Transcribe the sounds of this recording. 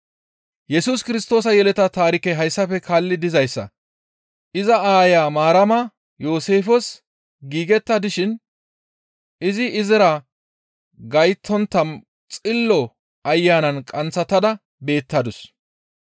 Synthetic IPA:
jɛsuskɪɾɪst̪o̞ːs̬ɐjɛlɛt̪ɐt̪aːɾɪkɛɦɐjsːɐfɛkʰaːlːɪd̪ɪzɐjsːɐ̰ | ʔɪzɐaːjaːmaːɾɐmɐ | jo̞ːse̞ːfɔs | ɡiːɡɛt̪ːɐd̪ɪʃɪn | ɪzɪɪzɛɾɐ | ɡɐjt̪ʰːɔnt̪ːɐm | t͡sʼɪlːɔ | ɐjːaːnɐnkʼɐnt͡sːɐt̪ːɐd̪ɐ | be̞ːt̪ːɐd̪ʊs

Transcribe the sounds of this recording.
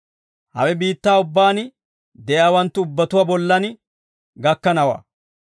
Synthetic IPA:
hɐ̰wɛbiːt̪ːaːʊbːaːn | d̪ɛjaːwɐnt̪ːʊʊbːɐt̪ʊwabɔlːɐn | ɡɐkːɐnɐwa̰ː

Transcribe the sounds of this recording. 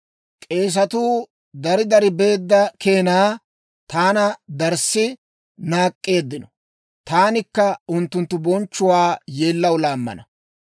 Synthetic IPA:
kʼe̞ːs̬ɐt̪uː | d̪ɐɾɪd̪ɐɾɪbe̞ːd̪ːɐke̞ːnaː | t̪aːnɐd̪ɐɾsɪ | naːkʼːe̞ːd̪ːɪnɔ | t̪aːnɪkːɐʊnt̪ːʊnt̪ːʊbɔnt͡ʃːʊwaːjeːlːɐwlaːmːɐ̰nɐ

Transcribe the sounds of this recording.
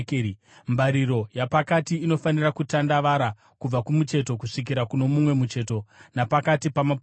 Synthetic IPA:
mbaɾiɾo̞japakatiːno̞fanirakutandaʋaɾa | kub͡vakumut͡ʃe̞to̞kuʂik̬iɾakuno̞mumwe̞mut͡ʃe̞to̞napakatipama

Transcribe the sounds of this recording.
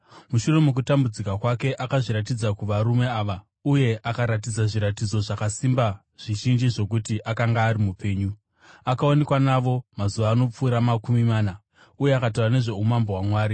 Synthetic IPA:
muʃure̞muk̬utambud͡zikakwake̞ʔakaʐiɾat̬id͡zakuʋaɾume̞aːʋa | uje̞ʔakaɾat̬id͡zaʐiɾatid͡zo̞ʐakasimba | ʐ̥iʒind͡ʒiʐo̞k̬utiʔakaŋɡaːɾimupe̞ːɲu | akaone̞kwanaʋo̞mazuʋaːno̞p͡fuːɾamakumimaːna | ujeakatarane̞ʐe̞umambowamwaːɾi

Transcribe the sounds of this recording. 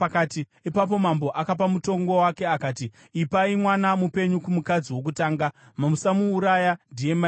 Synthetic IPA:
akaːti | ipap̬o̞mambo̞ʔakap̬amuto̞ŋɡo̞wake̞akaːtiː | paimwanamupe̞ɲukumukad͡ziwo̞k̬utaːŋɡa | mamusamuːɾajandiema

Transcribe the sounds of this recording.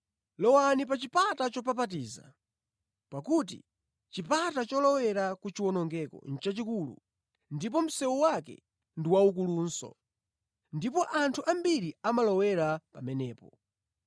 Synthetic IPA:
lɔwanip̬at͡ʃipatat͡ʃɔp̬apat̬iːza̰ | pakut̬ḭ | t͡ʃipatat͡ʃɔlɔwɛɾakut͡ʃiwɔnɔŋɡɛkɔ̰n̩t͡ʃat͡ʃikulṵ | ndip̬ɔm̩sɛwɔwakɛ̰ | ndiwaukuluːnsɔ̰ | ndipɔʔantʰuʔambiɾiamalɔwɛɾapamɛnɛːpɔ

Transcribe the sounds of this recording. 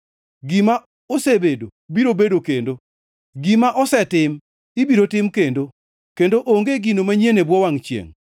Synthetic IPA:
ɡima | osebedobiɾobedokendo | ɡimaʔɔsɛtɪm | ibiɾotɪmkendo | kendoʔoŋɡeɡinomaɲenebwɔwaŋt͡ʃjḛŋ

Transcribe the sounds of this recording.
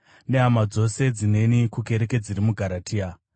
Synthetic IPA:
ne̞ɦamad͡zo̞se̞d͡zine̞nikuke̞ɾe̞ke̞d͡ziɾimuɡʱaɾatʰiːa

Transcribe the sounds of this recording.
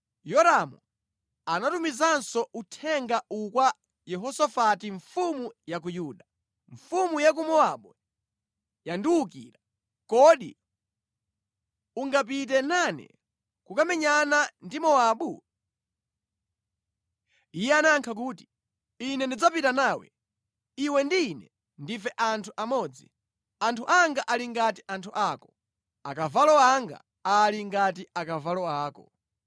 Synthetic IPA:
jɔɾamɔ | anatumizansɔutʰɛŋɡaukwa | jɛɦɔsafatiɱfumujak̬ujuːɗa | ɱfumujak̬umɔaɓu | jandiwukḭːɾa | kɔɗḭ | uŋɡapit̬ɛnanɛ̰ | kukamɛɲanandimɔaɓu | ijɛanaŋkʰakuːti̥ | inɛndid͡zapitanawɛ̰ | iwɛndiːnɛ | ndifɛʔantʰuʔamɔd͡zi | antʰuʔaŋɡaʔaliŋɡatiʔantʰuʔakɔ̥ | a̰kavalɔaŋɡa̰ | aliŋɡatiakavalɔaːkɔ

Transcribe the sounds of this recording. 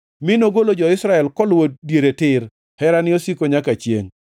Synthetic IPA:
mɪnoɡolod͡ʒɔɪsɾaɛlkɔlwot̚djeɾetɪɾ | hɛɾanɪosikoɲakat͡ʃjḛŋ

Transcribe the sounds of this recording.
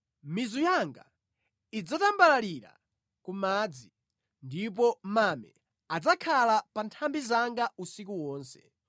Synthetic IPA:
mizujaŋɡa | id͡zatambalaliɾa̰ | kumaːd͡zi | ndip̬ɔmamɛ̰ | ad͡zakʰalapantʰambizaŋɡausikuwɔːnsɛ̥

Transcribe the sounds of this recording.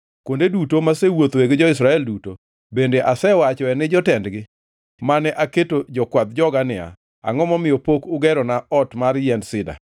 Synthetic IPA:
kondedutomasewot̪weɡd͡ʒɔɪsɾaɛlduto | bendeʔasɛwat͡ʃɔɛnɪd͡ʒɔtɛndɡɪ | manɛʔaketod͡ʒɔkwad̪̚d͡ʒɔɡanɪa̰ | a̰ŋɔmɔmɪjɔpokʊɡɛɾɔnaɔtmaɾjɛndsɪda̰

